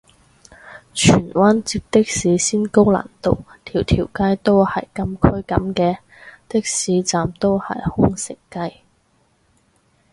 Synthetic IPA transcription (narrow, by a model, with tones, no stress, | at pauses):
t͡ʃʰyː˨˩nwaː˥nt͡siː˧p̚t̪ɪ˥k̚siː˨˥siː˥nko˥wla̰ː˨˩nt̪o˧wt̪ʰiː˨˩wt̪ʰiː˨˩wkaː˥jt̪o˥whɐ˨jkɐ˧mkʰɵ˥ɥkɐ˨˥mkɛː˧ | t̪ɪ˥k̚siː˨˥t͡saː˨mt̪o˥whɐ̰˨jhʊ˥ŋsɪ˨˩kːɐ˥j